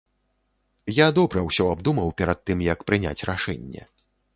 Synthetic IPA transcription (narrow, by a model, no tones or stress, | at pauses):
jad̪ɔbɾɐwsʲɔab̚d̪umɐwpʲɛɾɐt̪̚t̪ːɨmjɐkpɾɨnʲa̰t͡sʲraʂɛ̰nʲːɛ̰